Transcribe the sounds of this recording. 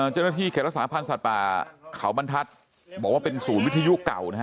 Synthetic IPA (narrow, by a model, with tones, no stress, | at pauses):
ʔəː˧˩t͡ɕa˥˩naː˥˧t̪ʰiː˥˩kʰɛː˨˩ɾa˦˥ksaː˨˦˥pʰa˧nsa˨˩t̪̚pa̰ː˨˩kʰa˩˦wba˧nt̪ʰa˦˥t̪̚ | bɔː˨˩kwaː˥˩pe˧nsuː˩˦nwi˥t̪ʰːa˧ju˦˥ʔka̰˨˩wna˦˥k